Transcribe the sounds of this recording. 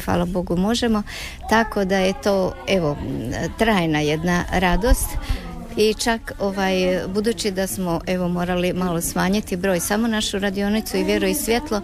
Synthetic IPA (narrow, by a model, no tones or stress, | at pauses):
xʋa̰ːlˠabo̞ɡumo̞ʒe̞mo̞ | t̪ako̞d̪aje̞t̪oːe̞ʋot̪ɾaːjnaje̞d̪naɾad̪o̞st̪ | it͡ʃako̞ʋajbud̪uːt͡ɕid̪asmo̞ʔe̞ʋo̞mo̞ːɾalimalosmaːɲit̪ibɾo̞ːjsamo̞naʃuɾad̪io̞nit̪suiʋʲje̞ɾujisʋʲje̞t̪lˠo̞